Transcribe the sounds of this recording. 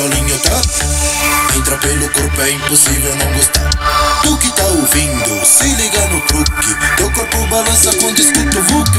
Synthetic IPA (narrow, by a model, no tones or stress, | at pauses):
alĩɲʊt̪ɾas | ẽt̪ɾapelʊkoɾpʊɛĩmposivewnɐ̃w̃ɡost̪a̰ɾd̪ʊkɪt̪aovĩnd̪ʊsɪliɡaɾnʊkɾukɪd̪̥okoɾpʊbalɐ̃sɐkõd̪iskut̪ʊvuk